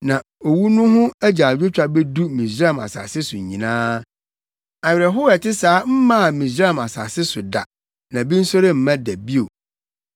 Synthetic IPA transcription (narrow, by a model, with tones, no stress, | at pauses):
nã˨ | o˨wu˦nʊ̃˦ɦʊ̃˦æ˦d͡ʑa˨d͡ʑᶣɪ˦t͡ɕᶣa˨bɛ˦du˦mĩ˨sɾa˦˨ma̰˨sa̰˨sɪ˦sʊ˨ɲĩ˨nãː˦ | a˨ɥɪ˨ɾɛ˨ɦʊ˦ɛ˨tɪ˦saː˨˦m̩˦mã˦a˨mĩ˨sɾa˦a˦˨ma˨sa˨sɪ˦sʊ˨da̰˨ | nã˨bĩ˦n̩˦sɔ˦ɾɪ˦m̩˦˨mã˦dæ˨bi˦o˨